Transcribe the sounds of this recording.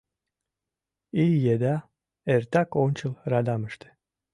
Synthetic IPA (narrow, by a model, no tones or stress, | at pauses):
ilʲjed̪æ | ɛɾt̪ʰakont͡ʃʰɯlˠɾad̪amɯʃt̪ʰɯ̥